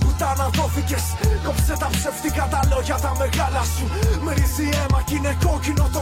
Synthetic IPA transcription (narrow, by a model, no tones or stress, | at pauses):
put̪ɐnɐt̪oficeskopset̪ɐpseft̪ikɐt̪ɐlo̞ʝɐt̪ɐmeɣɐlɐsumeɾiziemɐcineko̞cino̞t̪o